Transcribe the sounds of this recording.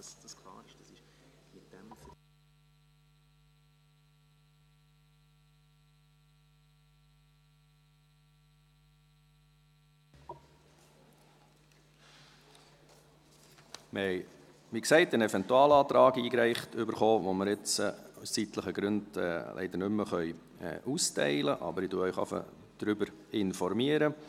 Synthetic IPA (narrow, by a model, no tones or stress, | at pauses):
sd̥ɑskʰlˠɑːɪʃd̥ɑsɪʃ | mɪt̚d̥ɛmfə | məɛɪ | miksɛɪtənɛvɛntuɑːlɑːt̪ɾɑːɡiːkɾɛɪχtʰʏbəɾχoːʋoməɾɪt͡sssitləχəɡɾʉndɛ̰lʔɛ̰ɪd̪ənʏmːəχœʏ | ɛ̰ʔustɛ̰ɪləʔɑ̰bəɾɪduəœʏχɑ̰fə̰ | d̥ɾʏbəɾɪnfɔɾmiəɾə